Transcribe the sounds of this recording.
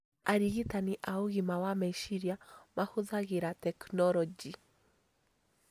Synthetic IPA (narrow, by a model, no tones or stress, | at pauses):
aɾiɣitaniʔauɣimawamaiʃiɾiamahuðaɣiɾatɛknɔlɔd͡ʒi